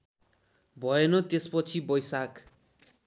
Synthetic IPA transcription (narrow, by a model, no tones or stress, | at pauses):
bʱʌenʌt̪espʌt͡sʰibʌjsak